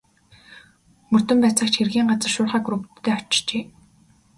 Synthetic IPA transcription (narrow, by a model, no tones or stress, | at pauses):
mɵr̥t̪ɵ̆mpæːt͡sə̆kt͡ɕxerɣiːŋɢat͡sə̆rʃʊːrχaːɡɾukt̪ʰːeːɔt͡ɕt͡ɕeː